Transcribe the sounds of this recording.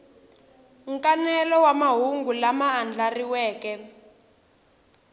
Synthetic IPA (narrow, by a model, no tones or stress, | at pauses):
ŋkanɛlɔwamaɦuŋɡulamaːnd͡ɮʱariwɛːkɛ